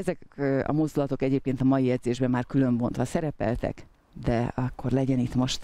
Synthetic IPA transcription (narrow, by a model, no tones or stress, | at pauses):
ɛzɛkɒ̰mo̞zd̪ulɒt̪o̞kɛɟeːp̚keːnt̪ɒmɒjijɛd̪zeːʒbɛmːaːrkylø̞mbo̞nt̪ʋɒsɛɾɛpɛ̰lt̪ɛ̰k | d̪ɛɒkːo̞rlɛɟɛnit̪mo̞ʃt̪